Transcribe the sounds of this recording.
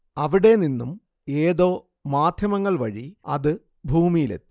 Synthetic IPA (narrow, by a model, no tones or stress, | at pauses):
ɐʋiɽe̞ninːum | e̞ːðo̞ː | maːd̪ʱjɐmɐŋːɐɭʋɐɻiɐ̰ðɨ | bʱuːmijilḛt̪ːi̥